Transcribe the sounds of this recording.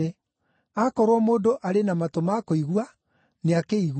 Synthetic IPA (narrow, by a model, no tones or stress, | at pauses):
e | akɔɾwɔmoːdoʔaɾenamatomakoiɣwa | neakeiɣ